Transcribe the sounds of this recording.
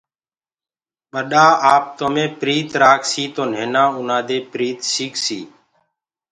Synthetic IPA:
ɓəɗaːaːp̚t̪omẽːpɾiːt̪ɾaːksiːt̪oːn̤eːnãːʊnãːd̪eːpɾiːt̪siːksiː

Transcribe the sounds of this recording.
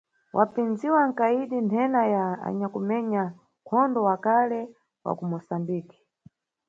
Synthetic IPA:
wʔapind͡ziwaŋ̩kaiɗintʰɛnajaa̰ɲakumɛɲa | kʰɔndɔwakalɛ | wa̰kumɔsambiːki̥

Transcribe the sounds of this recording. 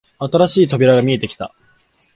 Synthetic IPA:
at̪aɾaɕiːt̪o̞bʲiɾaɡamʲie̞t̪e̞kʲi̥t̪a̰

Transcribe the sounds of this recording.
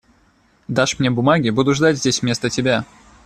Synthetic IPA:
d̪aʂmnʲebʊmaɡʲɪbud̪ʊʐd̪atʲzʲdʲesʲmʲe̞st̪ətʲɪbʲa

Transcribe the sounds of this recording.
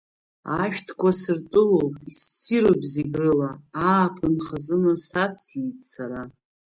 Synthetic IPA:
aʃᶣtʰkʷasɨrtʼʊlowpʼisːiɾobziɡrɨlaaːpʰɨnχazɨnɨsat͡sʰit͡sʰaɾa

